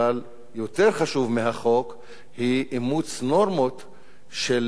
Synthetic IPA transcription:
al | jo̞t̪e̞ʁχaʃuvmeɦaχo̞k | hiʔimut͡sno̞ʁmo̞t̪ | ʃel

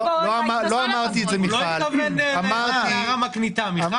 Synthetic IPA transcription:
loamaloamaʁt̪ietzemiloalaviedeamaʁiʁamaknit̪ami

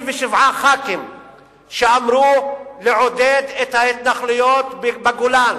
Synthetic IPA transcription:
veʃivʕaχakim | ʃeamɾuleʕod̪ed̪et̪haet̪naχlujot̪bbaɡulan

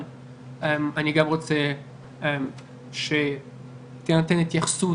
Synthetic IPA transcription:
emaniɡamʁot͡se | em | ʃe | t̪enat̪enet̪jaχsu

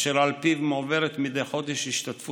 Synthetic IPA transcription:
ʃeɾalpivmoveɾet̪mid̪ejχo̞d̪eʃiʃt̪at̪fu

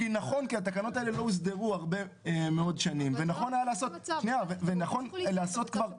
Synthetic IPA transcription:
inaχo̞nkiat̪akano̞t̪aelelo̞is̬d̪eʁuaʁbe̞ | meo̞dʃanimvenaχo̞najalaːso̞t̪niavevenaχo̞nlaːso̞t̪kvaʁ

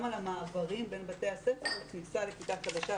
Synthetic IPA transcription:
malamaːvaʁimbe̞nbate̞jhasefeʁlknisale̞kit̪akad̪aʃa

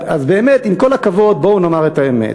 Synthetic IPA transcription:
azbeːmet̪imko̞lakavo̞d̪̚bounomaʁet̪aemḛt

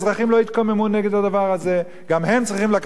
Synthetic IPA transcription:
zʁaχimlo̞it̪kamemuneɡed̪ad̪avaʁaze̞ | ɡamhe̞mt͡sʁiχimlak

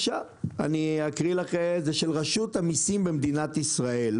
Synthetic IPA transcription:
ʃa | a̰niakʁilaχezeʃelʁaʃut̪hamisimbe̞md̪inat̪isʁae̞l

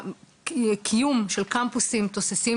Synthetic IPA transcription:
kʰijumʃelkampusimt̪osesi

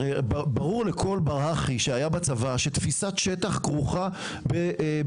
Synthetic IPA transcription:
bbaʁuʁlekʰo̞lbaʁhaχiʃeajabat͡savaʃet̪fisat̪ʃet̪aχɡʁuχa | beʔ

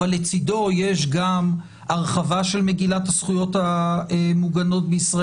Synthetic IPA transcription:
alet͡sido̞je̞ʃɡam | aʁχavaʃe̞lme̞ɡilathasχujo̞taemuɡano̞t̚beisʁa

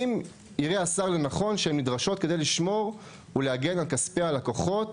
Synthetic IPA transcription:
m | iʁeasaʁlenaχo̞nʃeemnidʁaʃo̞t̪̚kede̞jliʃmo̞ʁ | uleaɡe̞nalkaspealakoχo̞t

